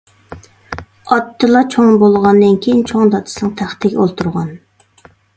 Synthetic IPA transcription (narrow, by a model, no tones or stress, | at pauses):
ɑt̪ʰːɨlˠɑt͡ʃʰoŋbolˠʁɑnd̪ɨnkʲʰejint͡ʃʰoŋd̪ɑt̪ʰɨ̥sɨnɨŋt̪ʰæχt̪ʰɪɡʲɛolˠt̪ʰuɾʁɑn